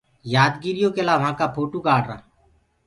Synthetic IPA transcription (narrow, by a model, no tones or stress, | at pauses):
jaːd̪ɡiːɾɪjõːkelaːʋɦãːkaːpʰoːʈuːkaːɖɾa̰ː